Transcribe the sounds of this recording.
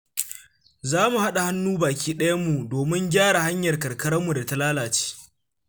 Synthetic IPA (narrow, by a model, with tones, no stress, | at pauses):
zaː˦mu˨ha˦ɗa˨ha˦nːuː˦baː˨kʲiː˦ɗɐ˦jɐ˦mːu˨doː˨mɪ˦ŋɡʲaː˦ɽa˨ha˦ɲjɐ˨rkɐ˨rkɐ˦ɽɐ˦mːu˨da˨ta˦laː˦laː˨t͡ʃe̥ː˦